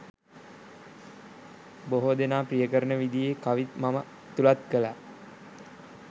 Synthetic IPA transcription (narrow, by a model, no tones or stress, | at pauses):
boɦod̪enaːprijəkəɾənəʋid̪ijeːkaʋit̪mamə | t̪ulat̪̚kəla